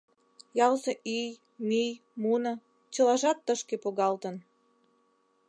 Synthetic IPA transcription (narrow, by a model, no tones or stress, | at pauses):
jɑlzĕʔij | mij | munɤ̆ | t͡ɕə̆lɑʒɑt̪ːəʃkepoɣɑlt̪ə̆n